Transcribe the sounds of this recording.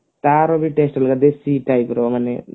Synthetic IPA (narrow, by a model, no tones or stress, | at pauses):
t̪aːɾobiʈesʈɐlɡad̪esiʈajpɾomane